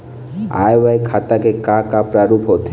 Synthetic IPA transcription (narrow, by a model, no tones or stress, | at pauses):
a̰jʋajkʰat̪akekakapɾaɾupɦot̪ʰe